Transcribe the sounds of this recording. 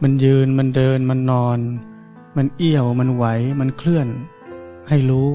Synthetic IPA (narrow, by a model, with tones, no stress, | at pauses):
ma˧njɯː˧nma˧ndɤː˧nma˧nːɔː˧n | ma˧nʔi˥˩əwma˧nwa˩˦jma˧nkʰlɯ˥˩ən | ha˥˩jɾuː˦˥